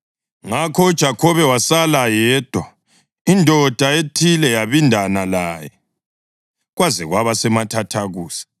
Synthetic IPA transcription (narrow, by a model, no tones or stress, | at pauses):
ŋakʰɔud̥ʒ̥ʱakʰɔβɛwasalajɛːd̥ʱwa | indʱɔd̥ʱaetʰilɛjaβindʱanalaːjɛ̰ | ɣwazɛɣwaβasɛmatʰatʰaɣuːsi̥